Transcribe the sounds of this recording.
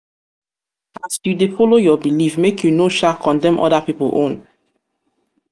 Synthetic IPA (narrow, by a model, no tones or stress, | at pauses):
asjudefolojɔbilifmekʰjunoʃakʰɔ̃ndɛ̃mʔɔ̰dapipəlʔõ̰n